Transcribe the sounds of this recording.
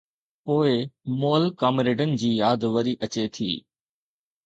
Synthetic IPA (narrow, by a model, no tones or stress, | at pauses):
poːɪmoːlkaːmɾeːɖənɪ̆d͡ʑiːjaːd̪ʋəɾiʔət͡ɕet̪ʰḭː